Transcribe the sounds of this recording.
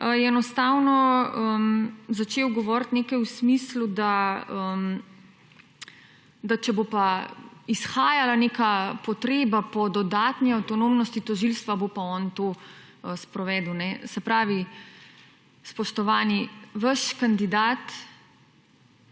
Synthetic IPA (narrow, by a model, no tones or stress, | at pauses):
əjɛɛnɔst̪aːwnɔəmzat͡ʃeːwɡɔʋɔɾt̪neːkajwsmiːslud̪aəm | d̪at͡ʃɛbopaisxaːjalaneːkapɔt̪ɾeːbapɔd̪ɔd̪aːt̪niawt̪ɔnomnɔst̪it̪ɔʒilst̪ʋabopaɔnt̪oː | əspɾɔʋɛːd̪wnɛsɛpɾaːʋi | spɔʃt̪ɔʋaːniʋəʃkand̪id̪aːt̪